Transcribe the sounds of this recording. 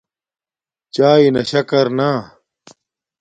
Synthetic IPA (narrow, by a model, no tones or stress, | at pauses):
t͡ɕaːinɐɕɐkɐɾnaː